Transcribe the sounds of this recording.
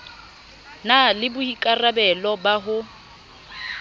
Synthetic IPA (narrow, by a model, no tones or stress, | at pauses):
nalɪbʊhikʼarabɛlɔbaɦʊ